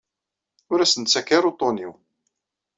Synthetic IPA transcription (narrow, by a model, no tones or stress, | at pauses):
ʊɾæsənt̪t͡sːækːaɾut̪ˤːoniw